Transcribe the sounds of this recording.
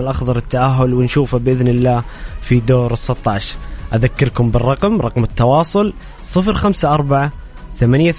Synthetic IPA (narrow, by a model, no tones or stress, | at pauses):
ɪlʔɑxðˤɑɾˤɪt̪ːaʔaɦːʊlwɪnʃuːfabɪʔɪðnɪlːaːfid̪oːɾɨsˤːɨt̪ˤːɑːʃɾʔaðakːɪɾkʊmbɪrˤːɑqmɾˤɑqmɪt̪ːɑwɑːsˤʊl | sˤɨfɾxamsaʔɑɾˤbaʕa | θamanjaθ